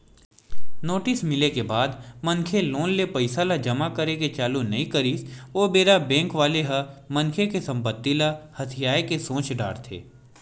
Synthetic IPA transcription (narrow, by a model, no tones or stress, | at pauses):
noːʈɪsmɪlekebaːd̪mɐ̃nkʰeloːnlepɐɪsalad͡ʒɐmakɐɾeket͡ʃaːlunɐɦĩkɐɾiːsoːbeːɾabɛ̃ːŋkʋaːleɦɐmɐ̃nkʰekesɐ̃mpət̪ːilahɐt̪ʰɪjaːekesõːt͡ʃɖa̰ːɽt̪ʰḛː